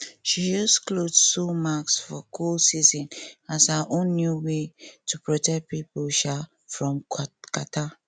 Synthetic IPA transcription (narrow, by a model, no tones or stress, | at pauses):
ʃid͡ʒɔsklodsumaksfɔkʰulsizɔ̃nazhaʔõnːjuwetʰupɹɔtɛk̚pipɔlʃa | fɹɔ̃mkatʰa